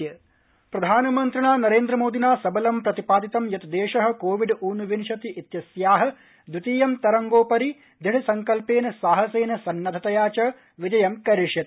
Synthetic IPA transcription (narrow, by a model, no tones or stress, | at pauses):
jɐ | pɾɐd̪ʱaːnɐmɐnt̪ɾɐɳaːnɐɾeːnd̪ɾɐmoːd̪inaːsɐbɐlɐmpɾɐt̪ipaːd̪it̪ɐmjɐt̪ɐd̪eːʂɐɦɐ̆koːʋiɖuːnuʋinʃɐt̪iʔit̪jɐsjaːɦɐ̆ | d̪ut̪iːjɐmt̪ɐɾɐŋɡoːpɐɾi | d̪ʱiɽisɐŋkɐlpeːnɐsaːɦɐseːnɐsɐnːɐd̪ʱɐt̪ɐjaːt͡ʃɐ | ʋid͡ʒɐjɐmkɐɾiʂjɐt̪